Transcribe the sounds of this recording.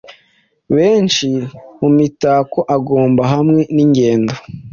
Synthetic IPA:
βe̞ːnt͡ʃimumitaːkoʔaɡoːmbaɦamŋe̞niɲɡe̞ːndo

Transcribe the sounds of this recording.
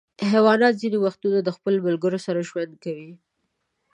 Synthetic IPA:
ɦawɑnɑt̪zinewaxt̪unad̪əxpəlomʊlɡəɾosaɾaʒwand̪̚kawi

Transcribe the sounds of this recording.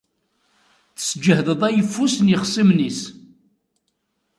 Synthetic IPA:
θsd͡ʒəhðəðˤæjəfːusnjəχsˤimnis

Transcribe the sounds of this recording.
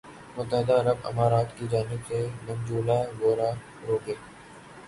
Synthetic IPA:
mʊt̪ːəɦɪd̪aɐɾəbɐ̰maːɾaːt̪kid͡ʒaːnɪbsemʊmd͡ʒuːlaɡoːɾaː | ɾoːɡẽː

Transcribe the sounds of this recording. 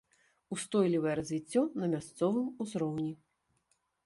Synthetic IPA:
ust̪ɔjlʲivɐjɛɾɐzʲvʲit͡sʲːɔnɐmʲast̪sɔvɨmuzɾɔwnʲi

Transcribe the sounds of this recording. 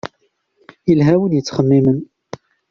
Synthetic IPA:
əlɦæwənjət͡sːχəmːimən

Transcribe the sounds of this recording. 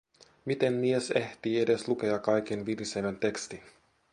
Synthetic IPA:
mit̪e̞mmie̞se̞ht̪iːe̞de̞slukeɑkɑjk̟enʋiliseʋent̪e̞kst̪in

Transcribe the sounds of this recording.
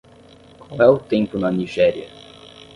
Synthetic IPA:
kʷwawɛʊt̪ẽmpʊnɐniʒɛɾiɐ

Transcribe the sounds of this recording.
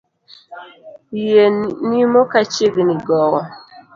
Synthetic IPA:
ijenimokat͡ʃeɡniɡɔɣɔ

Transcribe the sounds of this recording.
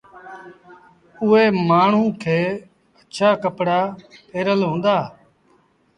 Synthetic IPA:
ʊeːmaːɳ̤ũːkʰeː | əʃʰaːkəpɽaːpeːɾəlɦõːnd̪aː

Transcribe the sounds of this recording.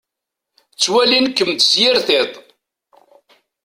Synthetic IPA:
t͡sːwælinkːəmt̪sjɪɾθet̪ˤ

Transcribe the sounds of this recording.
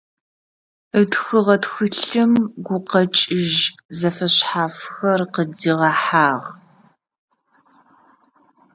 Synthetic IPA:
ətxɨʁɐtxɨɬɨmɡʷʊqɐt͡ʃʼɪʒzɐfɐɕħaːfxɐrqəd͡ziːʁɐħaːʁ

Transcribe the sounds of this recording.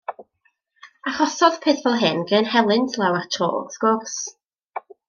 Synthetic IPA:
aχɔsɔðpʰeːθb̥ɔlˠɦɪnɡənhɛlˠɪntʰlˠɛwatʰɔ̰ːsɡ̥ʊrs

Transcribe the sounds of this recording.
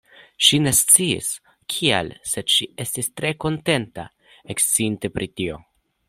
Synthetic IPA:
ʃine̞st͡siḭs | kʰia̰lse̞d̥ʃie̞stistɾe̞ko̞nte̞nta̰ | ekst͡siinte̞pɾʔitio̞

